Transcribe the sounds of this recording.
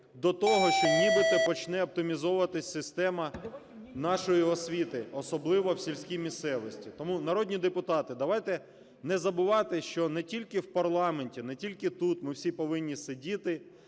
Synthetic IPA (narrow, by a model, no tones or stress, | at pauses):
d̪ɔt̪ɔɦɔʃt͡ʃɔnʲibɪt̪ɛpɔt͡ʃnɛɔp̚t̪ɪmʲizɔʊʋɐt̪ɪsʲsɪst̪ɛmɐ | nɑʃɔjiɔsʲʋʲit̪ɪɔsɔblˠɪʋɔwsʲilʲsʲkʲijmʲist̪sɛʋɔsʲtʲit̪ɔmunɐɾɔdʲnʲid̪epʊt̪ɑt̪ɪd̪ɐʋɑjt̪ɛ | nɛzɐbʊʋɑt̪ɪʃt͡ʃɔnɛtʲilʲkɪwpɐrlˠɑmenʲtʲinɛtʲilʲkɪt̪ut̪mɪwsʲipɔʋɪnʲːisɪdʲit̪ɪ